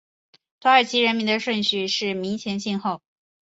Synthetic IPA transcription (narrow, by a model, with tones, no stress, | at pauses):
t̪ʰwo˧˥ə˞˨˩t͡ɕʰi˧˥ɻə˧˥nmi˧˥nd̪ə˧ʂwə˥˧nɕy˥˧ʂɻ̩˥˩mi˧˥ŋt͡ɕʰjɛ˧˥nɕi˥˧nxo˥˩ʊ